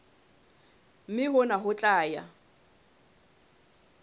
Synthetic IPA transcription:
m̩mɪɦʊnaɦʊt͡ɬʼaːja̰

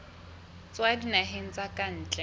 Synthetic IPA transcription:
t͡sʼwadinaɦen̩t͡sʼakʼan̩ːt͡ɬʼɛ

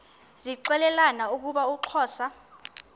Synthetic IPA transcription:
ziǀɛlɛlanauk̬uɓauǁʰɔːsa

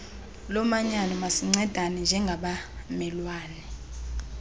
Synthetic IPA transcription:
lɔmaɲanɔmasiŋ͡ǀɛd̥ʱanɛnd͡ʒʱɛŋɡʱaɓamɛlwaːnɛ

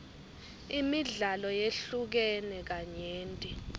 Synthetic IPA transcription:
imiɮalɔjeɬuk̬ɛnɛk̬aɲeːntʼi

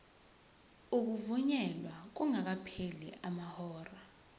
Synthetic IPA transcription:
uk̬uvuɲɛlwak̬uŋak̬apʰelḭʔamahɔːra

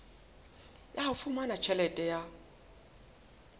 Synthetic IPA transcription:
jahafumanat͡ʃʰɛlɛtʼɛja

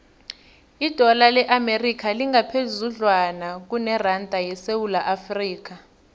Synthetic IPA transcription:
id̥ʱɔlalɛʔamerikʰaliŋɡʱapʰezuɮwanak̬unɛrantʼajɛsewulaʔafriːk̬a

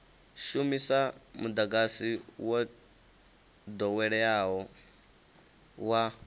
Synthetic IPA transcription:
ʃumisamud̪aɡasiwa | d̪ɔwɛɺɛaɦɔ | wa

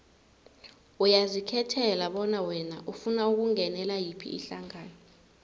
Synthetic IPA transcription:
ujazikʰɛtʰɛlaɓɔnawɛna̰ʔufunauk̬uŋɛnɛlajipʰḭʔḭɬaŋaːnɔ

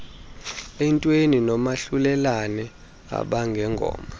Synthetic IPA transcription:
ɛntʼweninɔmaɬulɛlanɛ | a̰ɓaŋɡʱɛŋɡʱɔ̰ːma

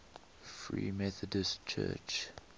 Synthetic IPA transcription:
fɹḭːmɛθədəstt͡ʃʰɜ̰ːt͡ʃ

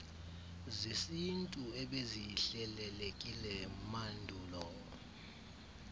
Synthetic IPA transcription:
zisintʼuɛɓeziɬɛlɛlekʼilɛmandʱuːlɔ

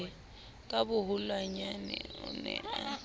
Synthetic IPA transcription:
kʼabʊɦulwaɲanɛ̰ṵnɛ̰a

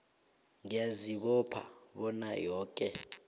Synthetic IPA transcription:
ŋijaziɓɔpʰa̰ɓɔnajɔːkʼɛ

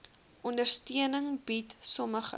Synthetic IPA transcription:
ʔɔndərstiənəŋbitsɔməχə̰

